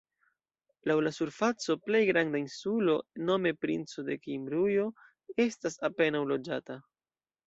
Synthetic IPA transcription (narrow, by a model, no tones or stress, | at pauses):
lawlasuɾfat͡so̞ple̞jɡɾandainsulo̞no̞me̞pɾint͡so̞de̞kimbɾujo̞ | e̞stasape̞nawlo̞d͡ʒata